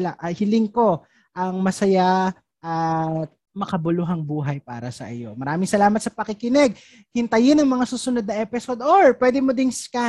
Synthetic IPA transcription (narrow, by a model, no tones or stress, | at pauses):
laʔɐhɪlɪŋko̞ | ʔɐŋmɐsɐja | ʔɐt̪̚ | mɐkɐbʊlʊɦɐŋbuːɦɐjpa̰ːɾɐsɐ̰ʔɪ̰jo̞̰mɐɾaːmɪŋsɐlaːmɐt̪̚sɐpɐkɪkɪnɛɡ̚ | hɪnt̪ɐjɪnɐŋmɐŋasuːsʊnod̪̚nɐʔɛːpɪsod̪oɹpwɛd̪ɛmod̪ɪŋska